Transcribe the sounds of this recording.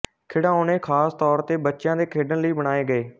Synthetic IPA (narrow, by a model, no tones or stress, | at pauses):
kʰɪːɽãːoːneːkʰaːst̪ɔːɾt̪eːbətːʃjãːd̪eːkʰeːɖənləiːbəɽaːeːɡəeː